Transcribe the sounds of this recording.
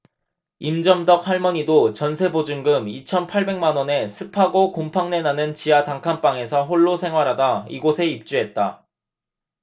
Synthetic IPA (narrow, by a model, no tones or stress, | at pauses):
imd͡ʑʌmdʌk̚ɸwaɭmʌɲidot͡ɕʌnsʰe̞bod͡ʑɯŋɡɯmit͡ɕʰʌnpʰaɭbe̞ŋmanwʌne̞sʰɯpʰaɡokompʰaŋne̞nanɯnt͡ɕijataŋkʰanp͈aŋe̞sʰʌɦoɭːosʰe̞ŋɦwaɾɦadaḭɡosʰe̞ip̚t͡ɕ͈uɦe̞t̚t͈a